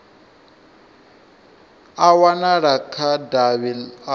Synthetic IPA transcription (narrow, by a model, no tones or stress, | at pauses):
awanaɺakʰadaβila